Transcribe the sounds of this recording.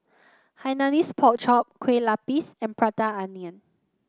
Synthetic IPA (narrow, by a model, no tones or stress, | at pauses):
hajnanispʰɔk̚t͡ʃɔp̚kʰwelapisɛ̃npɹataaniə̃n